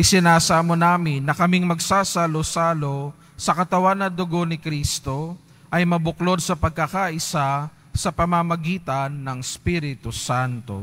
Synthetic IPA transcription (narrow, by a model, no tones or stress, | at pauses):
ʔɪsɪnaːsaːmonaːmɪnːɐkɐmiŋmɐɡsasalosaːlo̞ | sɐkɐt̪ɐwanːɐd̪ʊɡo̞nɪkɾiːst̪o̞ | ʔɐjmɐbʊklo̞d̪̚sɐpɐɡ̚kɐkaʔɪsa | sɐpɐmɐmɐɡiːt̪ɐnːɐŋspiɾɪt̪usant̪o̞̰